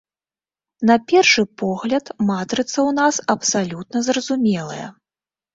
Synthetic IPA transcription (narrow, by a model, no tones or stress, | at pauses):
n̪ɐpʲɛrʂɨpɔɣlʲɐt̪mat̪ɾɨt̪sɐwnasɐpsalʲut̪̚nɐzrɐzumʲɛlˠɐ̰jɐ̰